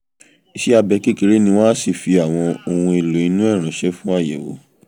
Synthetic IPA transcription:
i˧ʃɛ˦a˧bɛ˧ki˦ke˨˧ɾe˦nĩ˧w̃ɔ̃˦si˦˨fi˧a˨w̃ɔ̃˧o˧hũ˧e˧lo˨i˨˧˦nũ˦ɛ˦˨ɾ̃ã˨˦ʃɛ˦fũ˦a˦˨jɛ̰˨wo̰˨˦

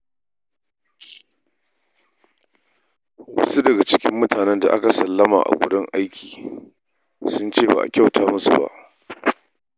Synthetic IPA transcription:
wɐ̰˦su˦dɐ˨ɡa˨t͡ʃɪ̥˦kʲɪ˦mːʊ˦tʰaː˨nɛ˦nda̰˨ʔa˦ka˨sɐ˨lːɐ˦ma̰ː˨ʔa̰˨ɡʷʊ˦dʊ˦ŋʔa˦jkʲʰiː˨ | sʊ˦nt͡ʃeː˦˨ba̰ː˨ʔa̰˨kʲa˦˨wtaː˦mʊ˦sṵ˨ba̰˦ʔ

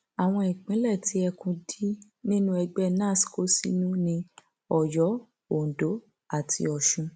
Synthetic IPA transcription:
a˨w̃ɔ̃˧i˨k͡pĩ˨˦lɛ˦˨ti˨˦ɛ˧kũ˧di˦ | nĩ˦nũ˦ɛ˧ɡ͡bɛ˦nãː˦˨si̥˨ko˦sḭ˦nũ˦nĩ˧ | ɔ˨jɔ˨˦ | o˨n˨do˨˦ | a˨tʰḭ˧ɔ˨ʃũ˧

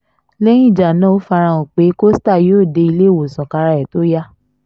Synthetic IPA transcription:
lɛ̃˦ĩ˦˨d͡ʒa˨nã˦o˨˦fa˧ɾ̃ã˧o˨k͡pe˨˦ko˦sta˦˨joː˦˨de˧˦i˧le˦˨wo˨sɔ̃˨ka˧ɾa˧ɛ˨to˨˦ja˦

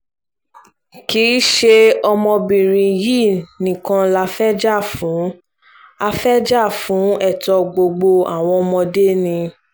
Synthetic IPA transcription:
ki˨˦ʃe˧˦ɔ˧mɔ̃˧bĩ˨ɾ̃ĩ˧ji˦˨nĩ˨kã˧la˧˦fɛ˦d͡ʒa˦˨fũ˨˦ | a˧fɛ˦d͡ʒa˦˨fũ˨˦ɛ˦˨tɔ˧ɡ͡bo˧ɡ͡bo˧a̰˦˨w̃ɔ̃˧ɔ˧mɔ̃˧de˦˨nĩ˧

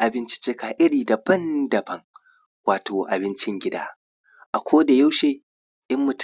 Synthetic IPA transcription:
ʔa˨bɪ˦nt͡ʃɪ̥˦t͡ʃɪː˦kaː˨ʔɪ˦ɽiː˨da˨bɐ˦ndɐ˨bɐ˦ŋ | waː˨tʰoː˨ʔa˨bɪ˦nt͡ʃɪ˦ŋɡʲɪ˦daː˦ | ʔa˨kʷoː˦da˨ja˦wʃeː˦ | ʔɪ˦mːʊ˨t

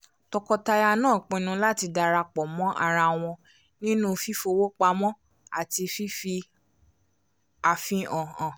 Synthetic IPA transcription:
tɔ˧kɔ˧ta˧ja˧nãː˦˨k͡pĩ˧nũ˧la˦ti˧da˧ɾa˧k͡pɔ˨mɔ̃˦ʔa̰˧ɾa˧w̃ɔ̃˧ | nĩ˦nũ˦˧fi˦fo˧wo˦k͡pa˧mɔ̃˦ | a̰˨ti˧fi˦fi˧ | a˧fĩ˦ɔ̃˨ɔ̃˨

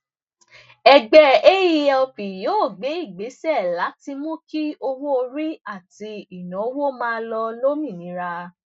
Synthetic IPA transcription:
ɛ˧ɡ͡bɛ˧e˦ji˧˦ɔ˧pĩ˨joː˨˦˨ɡ͡be˨˦i˦˨ɡ͡be˨˦sɛ˦˨la˨˦ti˧mõ˦ki˦o˧wo˦o˧ɾi˦a˦˨ti˧˦i˨nã˨˦wo˦mãː˦˧˦lɔ˧lo˦mĩ˦˨nĩ˨˦ɾa˧

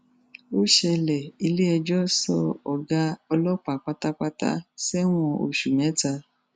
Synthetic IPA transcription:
o˦ʃɛ˧lɛ˨i˧le˦ɛ˧d͡ʒɔ˦sɔ˧ɔ˨ɡa˧ɔ˧lɔ˦k͡pa˨k͡pa˦ta˦k͡pa˦ta̰˦sɛ˦w̃ɔ̃˧o̰˨ʃu˨mɛ̃˨˦ta˧

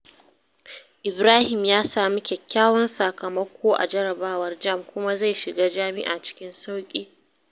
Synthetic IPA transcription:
ʔɪ˨bɾaː˦hɪ˨mjaː˦saː˨mi˦kʲɛ˨kʲːaː˦wɐ˦nsa˨kɐ˨mɐ˦kʷoː˦ʔa̰˨d͡ʒɐ˦ɾɐ˨baː˦wɐ˦rd͡ʒɐ˦˨mkʷʊ˦ma˦za˦˨jʃɪ˨ɡaː˦d͡ʒaː˦mɪ̰˦ʔaː˨t͡ʃɪ̥˦kʲɪ˦nsa˦wkʲʼiː˦

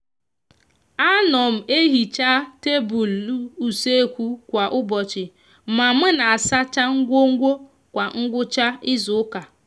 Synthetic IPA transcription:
a˦nɔ˨m̩˨e˦ɦi˨t͡ʃa˦te˦bu˨lu˨se˦kʷu˦kʷa˨ʔʊ˦bɔ˨t͡ʃɪ˨ | ma˨m̩˦na˨a˨sa˦t͡ʃa˦ŋ̩˦ɡʷo˦ŋ̩˦ɡʷo˦ | kʷa˨ŋ̩˦ɡʷʊ˦t͡ʃa˦ɪ˦zʊ˨ʊ˦ka˨

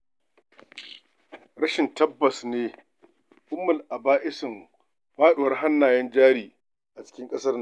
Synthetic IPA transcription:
ɽɐ˦ʃɪ˨ntɐ˦bːɐ˨sneː˦ | ʔʊ˦mːɐ˨lʔa˨baː˦ʔɪ˦sɪ˨ŋ | ɸaː˦ɗoː˨wɐ˦rha˦nːaː˨jɛ˦nd͡ʒaː˦ɽiː˨ | ʔa˨t͡ʃɪ̥˦kʲɪ˦ŋkʼɐ˦sɐ˦r

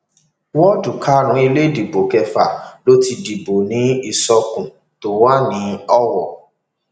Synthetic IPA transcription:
wɔ˦du˨kʰa˦ɾ̃ũ˨˦i˧le˦˨di˨bo˨kɛ˧fa˨lo˦ti˧di˨bo˨nĩ˨˦i˦˨sɔ˧kũ˨ | to˨˦wa˦nĩ˨˦ɔ˦wɔ̰˨

